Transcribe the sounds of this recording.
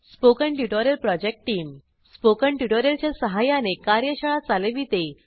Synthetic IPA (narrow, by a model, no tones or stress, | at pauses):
spokəɳʈjuʈoɾjəlpɾɔd͡ʑek̚ʈːiːm | spokəɳʈjuʈoɾjəlt͡ɕjasəɦajanekaɾjəɕəɭat͡saleʋiːt̪e